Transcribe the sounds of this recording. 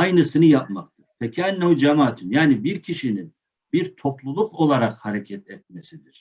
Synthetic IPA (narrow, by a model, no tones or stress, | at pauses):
ajnɯsɯnɯjap̚makt̪ʰɯɾ̥fɛcʰɛnːod͡ʒamaːt̪ʰynjaːnibiɾcʰiʃinin | biɾt̪ʰo̞plˠulˠuqo̞lˠaɾaqhaɾecʰɛt̪ʰɛt̪̚mesid̪iɾ̥